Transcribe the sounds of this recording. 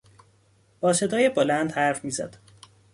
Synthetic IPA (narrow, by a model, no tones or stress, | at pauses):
b̥ɒːse̞d̪ɒːjebolænd̪hæɾfmiːzæ̰d̪̥